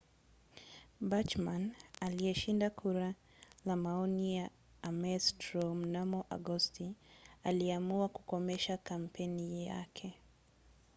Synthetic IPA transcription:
bat͡ʃmanaliɛʃindakʰuɾa | lamaɔnijaː | mɛstɾɔm̩namɔʔa̰ɡɔstialiɛamuakukɔmɛʃakam̩pʰɛnija̰kʰɛ

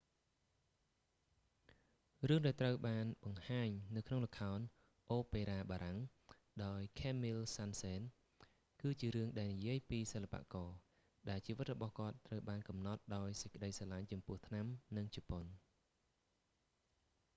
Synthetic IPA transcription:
rɨəŋɗaɛlt̪rəwɓaːnɓɑŋhaːɲnɨwkʰnoŋləkʰːaɔn | ʔoːpeːɾaːɓaːɾaŋ | ɗaɔjkʰeːmilsanseːn | kɨːt͡ɕiəɾɨəŋɗaɛlnijiəjpiːsəlːapa̰ʔkɑː | ɗaɛlt͡ɕiːʋɨt̪̚rɔɓɑhkŏət̪ːrəwɓaːnkɑmnɑt̪̚ɗaɔjsə̥c̚kə̆ɗəjsaːlaɲt͡ɕɑmpʊ̆əht̪ʰnamnɨŋt͡ɕipon

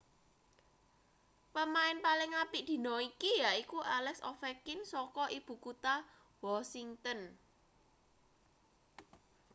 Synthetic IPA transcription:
pəmaɪnpalɪŋapiʔd̪̥i̤nɔikijaikuʔalɛksɔ̰fɛkɪnsɔkɔʔib̥ṳkut̪a | wɔsiŋt̪ən

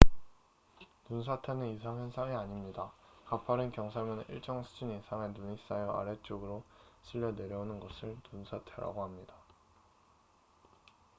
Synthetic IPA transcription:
nunsʰatʰaneisʰaŋensʰaŋiaɲimɲidakapʰaɾɯnkjʌŋsʰaɭmɯnɯʔḭɭt͡ɕ͈ʌŋsʰu̥d͡ʑuɲisʰaŋenuɲis͈ajʌa̰ɾe̞t͡ɕ͈oɡɯɾoɕʰiʎːʌne̞ɾjʌunɯnɡʌsʰɯɭnunsʰatʰeɾa̰ɡoɦamɲida

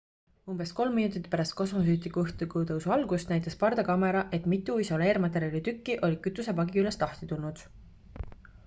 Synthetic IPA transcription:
umb̥e̞sko̞lmːinut̪it̪ːˑpæɾɑst̪̚ko̞smo̞s̬yːt̪ˑːikuɤht̪ukut̪ɤwsuɑlɡ̥usnæjt̪ːˑɑspɑrd̪̥ɑkɑme̞ɾɑʔe̞t̪ˑmit̪ːˑuiso̞le̞ːɾmɑt̪̬ːˑe̞ɾʲiɑlʲit̪ykːiʔo̞lʲikyt̪ːˑuse̞pɑɡiyle̞st̪lɑht̪it̪ulnud̪̥

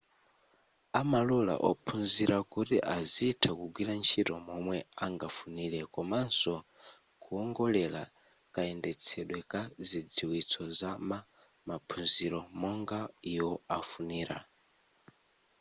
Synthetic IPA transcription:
amalula̰ʔɔpʰunziɾakutiʔaziːtʰakuɡwiɾant͡ʃʰitɔmɔmwɛaŋɡafuniːɾɛkɔmansɔ | kuɔŋɡɔlɛla̰ | kaɛndɛt͡sʰɛɗwɛkazid͡ziwit͡sʰɔzama | mapʰunziɾɔmɔŋɡaiwɔafuniːɾa̰

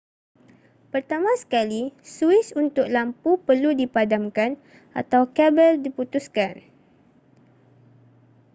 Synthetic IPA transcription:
pərt̪amãsə̥kalisuɪsunt̪ʊk̚lampupərludipadamkan | ʔa̰t̪awkɛbəldiput̪uskan

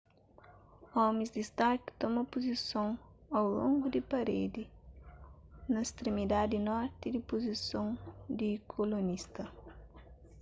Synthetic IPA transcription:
ɔmĩzd̪ist̪aɾki̥t̪ɔmɐpozisõŋawlõŋɡʊd̪ɪpɐɾed̪ɪ | nɐist̪ɾemid̪ad̪inɔɾt̪ɪd̪ipozisõŋd̪ikʰolonist̪ɐ

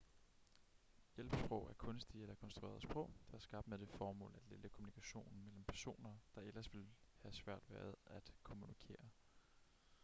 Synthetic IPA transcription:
jel̰b̥sb̥ʁɔʊ̰ʔæɐkʰɔ̽nsd̥ielɐkʰɒ̽nsd̥ʁuḛɐð̩ˠsb̥ʁɔ̽ʊ̰d̥ɑ̈æɐsɡ̥ɑ̈b̥d̥med̥e̝fɒːmɔ̰̽ːlæ̥leləkʰomunikʰæɕo̝̰ːnn̩mel̰m̩pʰæɐso̝̰ːnɐd̥ɑ̈elɐsʋe̝lhæsʋæɐ̰d̥ʋæːɐð̞ˠæd̥kʰo̝munikʰe̝̰ːɐ

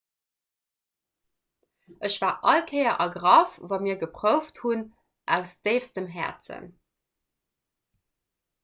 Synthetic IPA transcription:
ʔəɕv̥aːʔɑlkʰɜɪɐʔɑɡʁɑfvɑːmiːɐɡəpʁəʊfthun | ʔæʊsd̥eɪfsdəmɦæ̰ɐt͡sə̰n

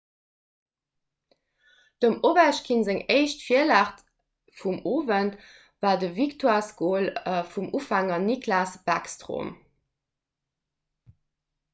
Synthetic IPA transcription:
d̥omobæʃkʰinzeŋeɪʃtfiəlaːχt | fumoːvənt | vaːdəviktowaːskoːləfumʔufaŋəniklaːsb̥akstʁo̰m

